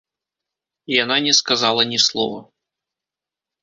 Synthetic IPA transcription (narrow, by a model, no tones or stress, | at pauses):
jananʲɛskazalˠɐnʲislˠɔ̰vɐ